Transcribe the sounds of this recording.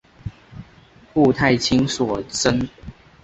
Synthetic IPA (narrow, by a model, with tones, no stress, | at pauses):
pu˥˧t̪ʰa˥˨ɪt͡ɕʰi˦ŋswɔ˨˩t͡sə˦n